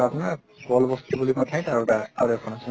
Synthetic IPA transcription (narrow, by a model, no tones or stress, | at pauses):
apuna | bɔlbɔstibulipatʰaj̃taɹutaa̰ɾɛkʰɔnasi